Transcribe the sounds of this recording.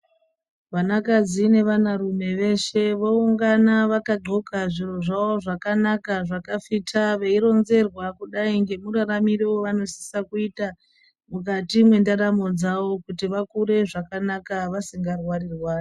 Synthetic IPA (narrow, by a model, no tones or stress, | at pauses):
ʋanakad͡zine̞ʋanaɾume̞ʋe̞ʃe̞ʋouŋɡanaʋakaɡ͡ǃʱo̞kaʐiro̞ʐawo̞ʐakanakaʐakafitʰaʋe̞iɾo̞nze̞rwakuɗaiŋɡe̞muɾaɾamireoʋano̞si̥sakuita | mukatimwe̞ndaɾamo̞d͡zawo̞kutiʋakuɾe̞ʐakanakaʋasiŋɡarwarirwaːri